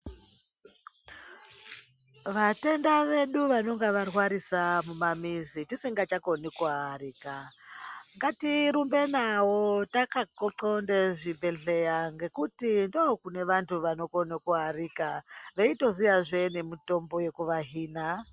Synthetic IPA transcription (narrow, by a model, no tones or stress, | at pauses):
ʋate̞ndaʋe̞ɗuʋano̞ŋɡeʋarwaɾisamumamizitisiŋɡat͡ʃakonikuɦariːka | ŋɡatiɾumbenawotakakoǀondeʐimbeɮejaŋɡe̞kutindokune̞ʋantʰuʋano̞konakuɦarikaʋeitozijaʐenemuto̞mboje̞kuʋaɦiːna